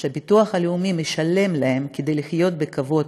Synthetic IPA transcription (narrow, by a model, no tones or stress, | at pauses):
ʃabit̪uɐχhaleumimeʃɐle̞mlahe̞mked̪e̞jliχjo̞t̪̚bekavo̞d